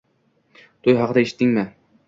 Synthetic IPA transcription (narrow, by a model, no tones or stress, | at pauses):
t̪ʰʊjɦɑqɨd̪aeʃɪ̥t̪ːɪŋmɪ